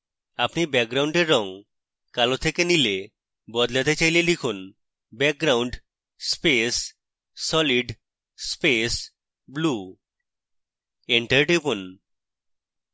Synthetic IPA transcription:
apnibɛɡ̚ɡɾawɳɖeɾːɔŋ | kalot̪ʰekenile | bɔd̪lat̪et͡ɕajlelikʰun | bɛk̚ɡɾawɳɖ | spesː | ɔliɖ | spes | blu | eɳʈəɾɖipun

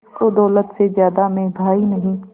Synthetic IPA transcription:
kod̪ɔːlət̪sezjaːd̪amẽbʱaːinɐɦĩː

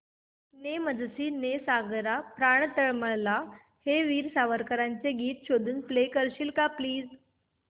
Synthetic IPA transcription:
neməd͡zsiːnesaɡɾapɾaɳ̃t̪əɭməɭla | heʋiːɾsaʋəɾkəɾaɲt͡seɡiːt̪ɕod̪ʱuːnplekəɾɕiːlkapliːd͡z

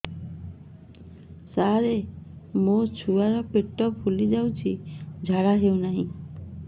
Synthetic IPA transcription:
saɾemot͡ɕʰuaɾɔpeʈːɔfʰulid͡ʒawt͡ʃʰid͡ʒʱaɽaɦewnaɦĩ

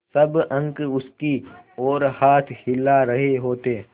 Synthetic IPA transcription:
sɐbɐ̃ŋkʊst̪iɔːɾhaːt̪ʰhɪlːaɾəɦeɦoːt̪eː

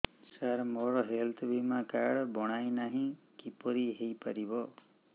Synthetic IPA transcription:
saɾmɔɾɔɦelt̪ʰbimãkaɽbɔɽ̃ajnaɦĩ | kipɔɾiɦejpaɾibɔ

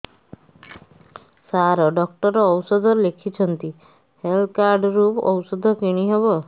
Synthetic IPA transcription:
saɾɔɖɔk̚ʈɔɾɔːwsɔd̪ʱɔlekʰit͡ʃʰɔnt̪i | hel̚kaɾɖɾupɔ̰wsɔd̪ʱɔkiɽ̃iɦebɔ

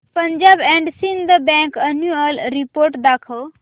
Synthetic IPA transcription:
pɐ̃ɲd͡ʒaːbɛ̃ːɳɖsĩnd̪əbɛ̃ŋkɐnjuəlɾipoːɾʈd̪aːkʰəl

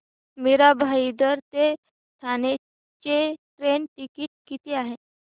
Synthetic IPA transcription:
miɾabʱaid̪əɾt̪e | t̪ʰane | t͡ɕeʈɾenʈikiʈ̚kit̪eaɦe

